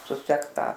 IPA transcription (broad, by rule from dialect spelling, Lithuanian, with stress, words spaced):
sʊˈsʲɛkt ˈtɑː